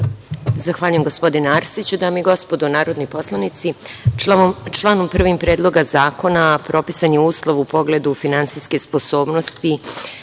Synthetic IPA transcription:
zaxʋaːʎujemɡo̞spo̞d̪inaɾsit͡ɕud̪aːmiiɡo̞spo̞d̪unaːɾod̪nipo̞slˠanit̪si | t͡ʃlˠaːnompr̩ʋimpɾe̞ːd̪lˠo̞ɡazaːko̞napɾʔo̞pisaɲjeuːslˠo̞ʋupo̞ɡle̞d̪ufinant̪sijske̞spo̞so̞ːbno̞st̪i

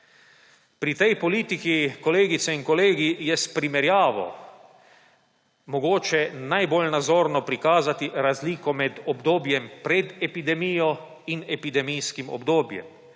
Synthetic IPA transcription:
pɾit̪ɛjpɔliːt̪ikikɔleːɡit̪sɛiŋkɔleːɡijɛspɾimɛɾjaːʋɔ̰ | mɔɡoːt͡ʃɛnajbolnad̪zoːɾnɔpɾikaːzat̪iɾazliːkɔmɛd̪ɔbd̪oːbjɛmpɾɛd̪ɛpid̪ɛmijɔ | inɛpid̪ɛmijskimɔ̰bd̪oːbjɛ̰m

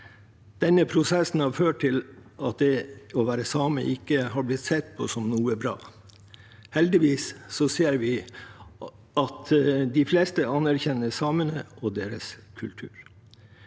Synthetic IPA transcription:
d̪̥ɛnːəpʰɾʊsɛsn̩hɑɾføːʈʈɪlʔɑt̪̚d̪ɛɔʋæːɾəsɑːmə̰ʔɪkːəhɑɾblɪt̪sɛt̪̚ːpʰɔ̰sɔmnuːəbɾɑ̰ː | hɛld̪ɪʋiːssɔseːɾʋɪ | ɑt̪d̪ɪfleːst̪əɑnːæɾçɛnːəsɑːmənəɔd̪eːɾəskʰʉlt̪ʰʉːɾ

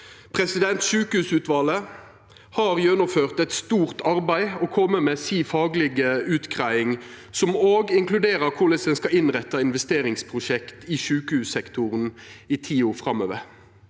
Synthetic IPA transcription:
pʰʁɛsɪd̪ɛnt̪ʃʉːkəhʉːsʉːt̪ʋɑːlə | hɑːʁjœnʊføːʁt̪ɛt̪st̪uːʁt̪ʰɑʁbæɪɔkʰɔmːəmeːsiːfɑːɡlɪɡəʉːt̪kʰʁæɪɪŋ | sɔmoːɡɪŋklʉd̪eːʁəʁkʰʊlɛsɛnskɑɪnʁɛt̪ːɑɪnʋɛst̪eːʁɪŋspʰʁʊʃɛkt̪iːʃʉːkəhʉːsɛkt̪ʊʁəniːt̪ʰiːoːfʁɑmø̰ːʋəʁ

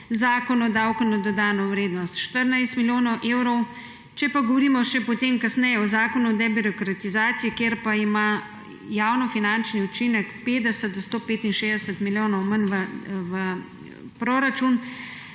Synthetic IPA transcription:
zaːkɔnɔd̪awkɔnɔd̪ɔd̪aːnɔwɾeːd̪nɔst̪ʃt̪əɾnajst̪miljoːnɔwʔewɾɔw | t͡ʃɛpaɡɔʋɔɾiːmɔʃɛpɔt̪emkasnɛjɛɔzaːkɔnud̪ɛbiɾɔkɾat̪izaːt̪sijikeɾpaima | jawnɔfinant͡ʃniut͡ʃinɛkpeːd̪ɛsət̪̚d̪ɔst̪oːpeːt̪inʃeːzd̪ɛsət̪miljoːnɔwmənʋəʋə | pɾoɾat͡ʃun

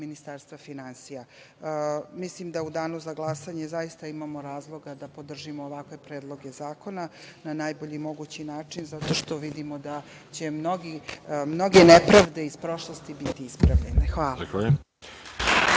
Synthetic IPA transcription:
minist̪aːɾst̪vʋafinansija | mislimd̪aud̪aːnuzaɡlˠasaɲe̞zaist̪aimamo̞ɾaːzlˠo̞ɡad̪apo̞d̪r̩ʒimoːʋakʋe̞pɾe̞ːd̪lˠo̞ɡe̞zaːko̞nananaːjbo̞ʎimo̞ɡut͡ɕinaːt͡ʂinzat̪o̞ʃt̪o̞ʋid̪imo̞d̪a | t͡ɕe̞mno̞ɡimno̞ɡe̞nepɾaʋd̪e̞ispɾo̞ʃlˠost̪ibit̪iispɾaʋʎenexʋaːlaxa

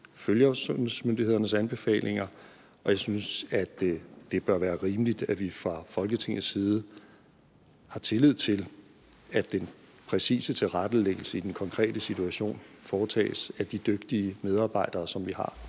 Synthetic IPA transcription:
føljɐsɔnsmønd̥ihe̝ð̰ˠɐnəsænb̥e̝fɛ̰ːlʔe̝ŋɐ | ʔɒ̽jɑ̈ɪsynsæd̥d̥e̝b̥ɶɐʋæːɐʁiːməlid̥æʋifʁɑ̈fɒ̽lɡ̥ət͡sʰe̝ŋ̰ð̩ˠsiːð̞ˠə | hɑ̈t͡sʰe̝lið̞̰ˠt͡sʰe̝l | æd̥en | pʰʁɛsḭːsət͡sʰe̝lʁad̥əleɡ̥əl̩səid̥enkʰɒ̽ŋkʰʁɛ̰ːd̥əsit͡sʰuæɕo̝̰ːnfɒːt͡sʰɛ̰ːsæd̥id̥øɡ̥̚d̥iəmeð̞ˠɑ̈ːb̥ɑ̈ɪ̰d̥ɐːsɒ̽mʋihɑ̈

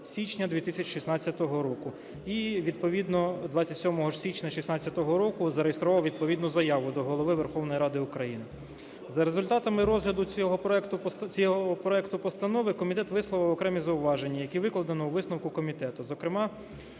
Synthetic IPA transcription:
sʲit͡ʃnʲɐd̪ʋʲit̪ɪsʲɐt͡ʃi̥ʃisnɑt͡sʲːɐt̪ɔɦɔɾɔkʊ | iʋʲid̪pɔʋʲid̪nɔd̪ʋɑt͡sʲːɐt̪ʲsʲɔmɔɦɔsʲit͡ʃnʲɐʃisnɑt͡sʲːɐt̪ɔɦɔɾɔkʊzɐɾejest̪ɾɔʋɑwʋʲid̪̚pɔʋʲid̪nʊzɐjɑʋʊd̪ɔɦɔlˠɔʋɪʋerxɔwnɔjɾɑd̪ɪʊkɾɐjinɪ | zɐɾezʊlʲt̪ɑt̪ɐmɪɾɔzɦlʲɐd̪ʊɔɦɔpɛkt̪ʊjɔɦɔɔpɾɔɛkt̪ʊpɔst̪ɐnɔʋɪkɔmʲit̪ɛt̪ʋɪslˠɔʋɪwɔkɾɛmʲizɐʊʋɑʒenʲːɐjɐkʲiʋɪklˠɐd̪ɐnɔuʋɪsnɔwkʊkɔmʲit̪ɛt̪ʊzɔkɾɪmɑ

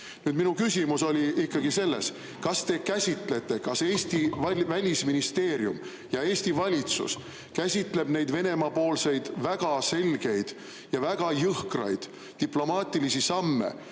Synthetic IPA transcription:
nyːd̪minukysʲimuso̞lʲiʔikːɑɡise̞lːe̞s | kɑst̪e̞kæsʲit̪le̞t̪ːˑe̞kɑse̞ːsʲt̪ivvælʲisminist̪e̞ːɾjṵm | jɑe̞ːst̪ivɑlʲit̪sṵs | kæsʲit̪ˑle̞bne̞jd̪ve̞ne̞mɑpo̞ːlse̞jd̪̥væɡ̥ɑse̞lɡ̥e̞jd̪̥ | jɑvæɡ̥ɑjɤhkrɑ̰jd̪̥ | t̪iplo̞mɑːt̪ʲˑilisisɑmːḛ

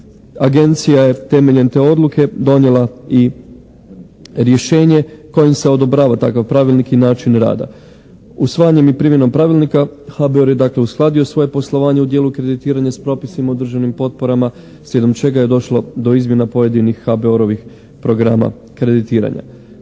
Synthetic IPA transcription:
aɡe̞nt̪sijaje̞t̪e̞me̞ʎe̞nt̪e̞o̞d̪lˠuke̞d̪o̞nje̞lˠai | ɾje̞ʃe̞ːɲe̞ko̞jimse̞o̞d̪o̞bɾaːʋat̪akaʋpɾaʋilˠnikinaːt͡ʃinɾa̰ːd̪a̰ | usʋaːjaɲe̞mipɾimje̞no̞mpɾaʋilˠnikaxabeoɾje̞d̪aːkle̞usklˠad̪io̞sʋo̞je̞po̞slˠo̞ʋaːɲeud̪jeːlˠukɾe̞d̪it̪iːɾaɲaspɾo̞pisimaud̪r̩ʒanimpo̞t̪̚po̞ɾama | sʋje̞d̪o̞mt͡ʃe̞ɡaje̞d̪o̞ʃlˠo̞d̪o̞izmjenapo̞je̞d̪inixːabeoɾo̞ʋix | pɾo̞ɡɾa̰ma̰ | kɾe̞d̪it̪iːɾa̰ɲa̰

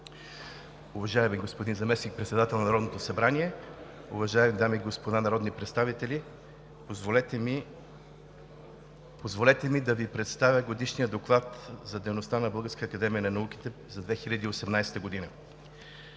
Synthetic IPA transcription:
uvɐʒaɛmiɡospod̪inzɐmɛsnik̚pɾɛt̪sɛd̪at̪ɛlˠnɐnɐɾɔd̪not̪osɐbɾaniɛ | ṵvɐʒaɛmid̪amiːɡospod̪anɐɾɔd̪nipɾɛt̪st̪avit̪ɛlʲi | pozvolɛt̪ɛmid̪ɐvipɾɛt̪st̪avʲjəɡod̪iʃnijəd̪oklˠat̪zɐd̪ɛjnost̪anɐbɤlˠɡəɾskəəːkɐd̪ɛmijənɐnɐuk̟i̥t̪ɛ | zɐd̪vɛxilʲɐd̪iːosɛmnajsɛ̥t̪əɡod̪inə

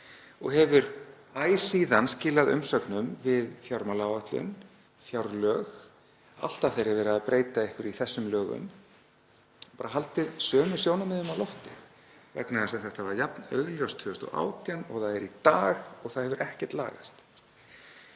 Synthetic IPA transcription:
ɔɣɦɛvʏɾ | aːjsiːðanscɪːlaðʏ̰msœknʏmvɪðfjawɾmalawat̪lʏ̰n | fjawɾlœːɣ | a̰l̥t̪aθejɾɪvɛːɾɪaðpɾʔeːjt̪aɪhkʏɾiθɛsːʏmlœːɣʏ̰m | paːɾaɦalt̪ɪðsœːmʏsjownamɛðʏmawlɔft̪ɪ | vɛ̰knaðasaθɛht̪avaɾjapnœ̰ɣljɔst̪ʰœʏst̪ɔ̰ɣa̰ːwt̪janɔɣθaðɛɾit̪aːɣɔɣθaðhɛvʏɾʔɛhcɛɾ̥t̪la̰ːɣa̰st̪

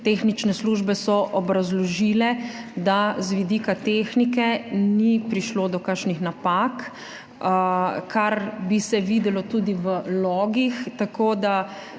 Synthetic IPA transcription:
t̪exnit͡ʃnɛsluʒbɛsɔʔɔbɾazlɔʒiːlɛd̪azʋid̪ikat̪exnikɛnipɾiʃloːd̪ɔkəɾʃnixnapak | kʰaɾbisɛʋiːd̪ɛlɔt̪uːd̪iʋəlɔːɡixt̪akoːd̪a

